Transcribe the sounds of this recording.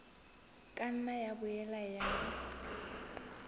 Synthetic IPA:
kʼan̩najabʊjɛlajaː

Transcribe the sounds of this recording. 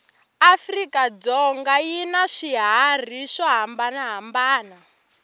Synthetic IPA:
afrikad͡zɔŋɡajinaʂiɦar̤iʂɔɦambanaɦambaːna

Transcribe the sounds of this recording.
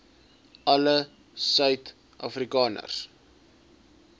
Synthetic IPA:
ʔɐlə | sœɥt | ʔɐ̰frikɑːnə̰rs

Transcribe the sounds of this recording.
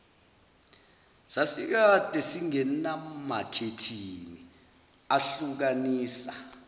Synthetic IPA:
sasik̬ad̥ʱɛsiŋɛnamakʰetʰini | aɬuk̬aniːsa

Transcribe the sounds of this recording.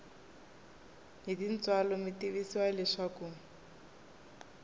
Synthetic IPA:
ɦidin̩t͡swalɔmitiβisiwalɪʂaku

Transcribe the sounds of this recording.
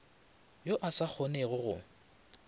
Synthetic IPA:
joʔasak͡xʰoneɣʊɣʊ̰

